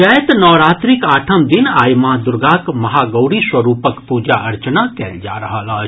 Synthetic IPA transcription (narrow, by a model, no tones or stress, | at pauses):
ajt̪nɔːɾaːt̪ɾikaːʈʰəmd̪inaːjmad̪ʊɾɡaːkmɐɦaːɡɐːɽiswɐɾuːpəkpuːd͡ʒaʔɐɾt͡ʃənakɛːld͡ʒa̰ːɾɐɦalaː